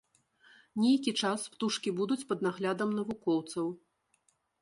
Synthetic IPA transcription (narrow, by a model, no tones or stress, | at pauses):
nʲejkʲit͡ʂaspt̪uʂkʲibud̪ut͡sʲpɐd̪naɣlʲad̪ɐmnɐvukɔwt̪sɐw